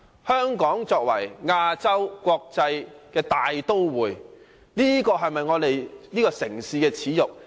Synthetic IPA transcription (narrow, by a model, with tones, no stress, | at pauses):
hœː˥ŋkɔː˨˥ŋt͡sɔː˧k̚wɐ˨˩jŋaː˧t͡sɐ˥wkʷɔː˧k̚t͡sɐ˧jkɛː˧t̪aː˨jt̪o˥wwuː˨j | niː˥kɔː˧ɦɐ˨jmɐ˨jŋɔː˨˧t̪e˨jniː˥kɔː˧sɪ˨˩ŋsiː˧kɛː˧t͡sʰiː˨˥jʊ˨k̚